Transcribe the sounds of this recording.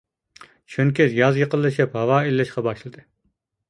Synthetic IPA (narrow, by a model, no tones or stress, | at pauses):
ʃʰønkʲizjɑzjəqəlˠːɨʃɪphɑwɑːilːɪʃqɑbɑʃlˠɨd̪ɨ